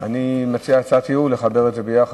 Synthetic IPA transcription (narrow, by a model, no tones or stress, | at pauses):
animat͡siat͡sat̪iule̞χabe̞ʁedzebejaχa